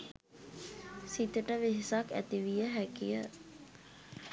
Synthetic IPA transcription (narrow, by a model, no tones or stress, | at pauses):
sit̪əʈəʋeɦisakæ̰t̪iʋijəɦækijə